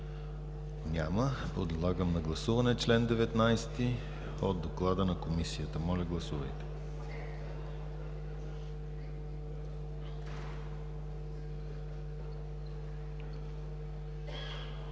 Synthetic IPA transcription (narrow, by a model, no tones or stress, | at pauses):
ɲʲaməd̪od̪lˠaɡəmnɐɡlˠɐsuvɐnɛt͡ʃlɛnd̪ɛvɛt̪najst̪i | od̪̚d̪oklˠad̪ənɐkomisijət̪əmɔlʲɐɡlˠɐsuvɐjt̪ɛ̥